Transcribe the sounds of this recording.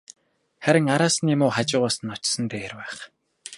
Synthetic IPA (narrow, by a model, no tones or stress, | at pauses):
χæɾʲɪ̆ŋaɾaːsniːmʊːχat͡ɕɪ̆ːʁʊːsə̆nɔt͡ɕsə̆nt̪eːrpæːχ